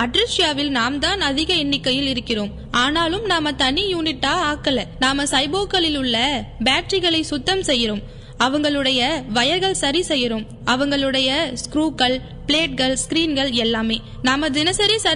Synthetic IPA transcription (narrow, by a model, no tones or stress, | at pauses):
ɐʈɾɪsɪjaːʋɪlnaːmt̪aːnɐðɪɣɐɛɳːɪkːɐjɪlɪɾɯkːɪroːm | aːnaːlɯmnaːmɐt̪ɐɳːijuːnɪʈːaːaːkːɐlɐnaːmɐsɐɪboːkːɐɭɪlʊɭːɐbaːʈɾɪɣɐɭɐɪsʊt̪ːɐmsɛjːɪɾom | ɐʋɐŋɡɐɭɯɽɐjɐʋɐjɐɾɣɐɭsɐɾisɛjːɪɾom | ɐʋɐŋɡɐɭɯɽɐjɐskɾuːkːɐɭ | pɭeːʈ̚ɣɐɭskɾiːnɡɐɭɛlːaːmeː | naːmɐd̪ɪnɐsɐɾisɐ